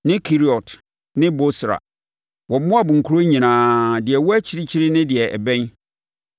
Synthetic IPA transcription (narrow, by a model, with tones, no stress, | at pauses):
nɪ̃˦kʰi˦ɾi˨ɔ˨t | nɪ̃˦bo˦sɾa̰˨ | wɔ̃˨m˦mʊ̃˦a˨bʊ̃˨ŋ̩˨kʰu˦ɾo˦ɲĩ˨nãː˨dɪ˨ɛ˨wɔ˦æ˦t͡ɕʰɪ˦ɾɪ˦t͡ɕʰɪ˦ɾɪ˦nɪ̃˦dɪ˨ɛ˨ʔɛ̰˨bɛ̃˦n